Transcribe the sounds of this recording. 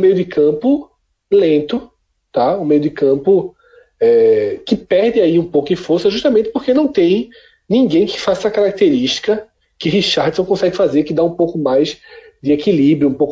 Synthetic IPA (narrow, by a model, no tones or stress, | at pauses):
mejʊd̪ɪkʰɐ̃pʊ | lẽnt̪ʊ | t̪aũmejʊd̪ɪkɐ̃pʊ | ɛkɪpɛɾd̪ɪaiũpowkʊɪfoɾsɐʒuʃt̪ɐmẽnt̪ɪ̥poɾkenɐ̃w̃t̪ẽj̃ | nĩɡẽj̃kɪ̥fazɛsɐkaɾak̚t̪eɾiʃt̪i̥kɐ | kɪɦiʃaɾd̪ʊsõkõsɛɡɪfazeɾkɪd̪aũpowkʊmajz | d͡ʒ̪ɪekilibɾjʊũpowk